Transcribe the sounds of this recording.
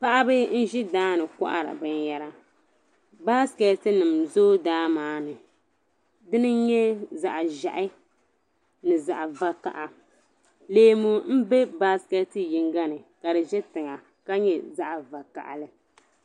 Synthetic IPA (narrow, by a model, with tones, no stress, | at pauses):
pa˦ʔa˦bɨ˦n̩˦ʒi˦daː˦nɨ˨ka̰˦ʔa̰˦ɾa̰˨bɨ˦n˦jɛ˦ɾa˦ | baː˦skɛ˨tɨ˦nɨ˨mzoː˦daː˦maː˦nɨ˨ | dɨ˦nɨ˦ɲɛ˦za˨ʔa˨ʒa̰˨ʔɪ˦ | nɨ˨za˨ʔa˨va˦ka̰˨ʔa˨ | leː˨˦mu˨m̩˦be˦baː˦skɛ˦tɨ˦ji˨ŋɡa˦nɨ˨ka˨dɨ˨ʒɛ˦tɨ˨ŋa˨ | ka˦ɲɛ˦za˦ʔa˨va˨ka̰˨ʔa̰˨lɨ˦